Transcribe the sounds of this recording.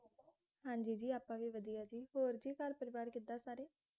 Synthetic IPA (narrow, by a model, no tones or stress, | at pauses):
hãːɲd͡ʒiːd͡ʒiːaːpãːʋiːʋəd̪ijaːd͡ʒiːhoːɾd͡ʒiːkəɾpəɾɪʋaːɾkɪt̪̚ːaːsaːɾeː